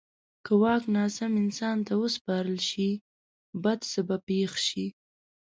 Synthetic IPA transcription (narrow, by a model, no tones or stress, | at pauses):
kəwɑknɑsamɪnsɑnt̪awəspɑɾəlʃi | bad̪səbapexʃi